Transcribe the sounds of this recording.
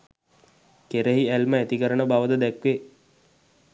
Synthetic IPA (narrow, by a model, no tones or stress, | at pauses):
keɾeɦiælməæt̪ikəɾənəbaʋəd̪əd̪ɛkʋe